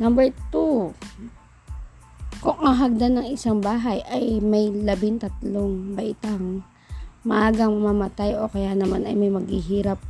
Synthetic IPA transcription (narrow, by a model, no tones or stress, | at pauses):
nambɛɹt̪u | kʊŋːaɦɐɡ̚d̪anɐŋɪsaŋbaːɦɐjʔɐjmɐjlɐbɪnt̪ɐt̪̚loŋbɐʔɪt̪aŋ | mɐʔaːɡɐŋmɐmaːmɐt̪ajʔo̞̰kɐjanɐmanɐjmɐjmɐɡhiɦiːɾap̚